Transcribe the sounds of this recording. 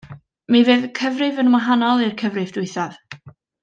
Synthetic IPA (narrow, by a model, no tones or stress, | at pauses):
miveːðkʰəvrɪvənwaɦanɔlˠɪrkʰəvrɨvdʊɨθað